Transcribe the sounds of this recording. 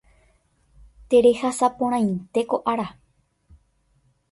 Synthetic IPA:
t̪e̞ɾe̞hasapõɾ̃ãj̃nt̪e̞ko̞ʔaɾa

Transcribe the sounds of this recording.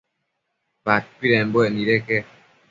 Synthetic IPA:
bat̚piɾɛmbwɛniɾɛkɛ

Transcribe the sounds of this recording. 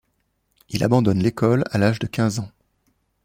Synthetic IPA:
ila̰bɑ̃d̪ɔnlekɔlalaʒd̪əkʲɛ̃zɑ̃

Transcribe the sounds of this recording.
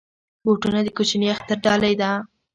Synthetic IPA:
boʈunad̪əkot͡ʃneaxt̪aɾɖɑlajd̪a

